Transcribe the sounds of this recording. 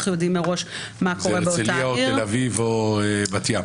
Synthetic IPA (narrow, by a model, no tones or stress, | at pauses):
χjodimːeʁo̞ʃ | mako̞ʁebeoitlaiaotielavivoebat̪ja